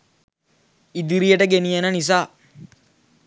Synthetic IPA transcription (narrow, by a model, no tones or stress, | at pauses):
id̪iɾijɐʈəɡenijɐnɐnis̬aː